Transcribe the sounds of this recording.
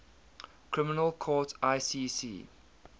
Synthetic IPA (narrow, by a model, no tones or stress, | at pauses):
kʰɹɪmɪnəlˠkʰɔːtʰaɪsiːsḭː